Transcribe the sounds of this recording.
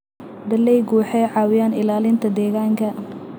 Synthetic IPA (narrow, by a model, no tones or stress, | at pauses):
d̪ɐlɛjɡuːħɛʕɑːwɪjaːnɪlaːlɪnt̪ʰɐd̪ɛːɣaːŋkʰɐ